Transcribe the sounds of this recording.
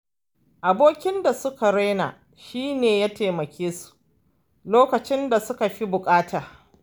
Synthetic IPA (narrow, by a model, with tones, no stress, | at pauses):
ʔa˨boː˦kʲɪ˦nda˨sʊ˦ka˨ɾe˦jna̰˨ | ʃiː˦neː˨jaː˦teː˨mɐ˨kʲʰeː˦su̥˨ | loː˦kɐ˨t͡ʃɪ˦nda˨sʊ˦ka˨ɸi˦bʊ˨kʼaː˦tʰaː˨